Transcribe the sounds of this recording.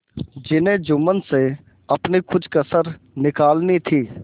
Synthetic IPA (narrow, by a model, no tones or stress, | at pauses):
d͡ʒɪnẽd͡ʒʊmənse | ɐpnikʊt͡ʃʰkəsəɾ | nɪkaːlnit̪ʰiː